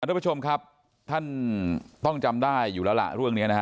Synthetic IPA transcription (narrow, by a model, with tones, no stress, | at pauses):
a˧a˥pʰːt͡ɕʰo˧mkʰa˦˥p̚ | t̪ʰa˥˩nt̪ɔ˥˩ŋt͡ɕa˧mdaː˥˩jːuː˨˩lɛː˦˥wla̰˨˩ʔɾɯ˥˩əŋni˦˥ɐna˦˥kʰ